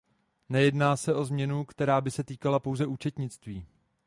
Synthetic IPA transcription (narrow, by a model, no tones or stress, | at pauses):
nɛjɛdnaːsɛʔo̞zmɲɛnukt̪ɛɾaːbɪsɛt̪iːkalapowzɛuːt͡ʃɛt̪ɲɪt͡st̪viː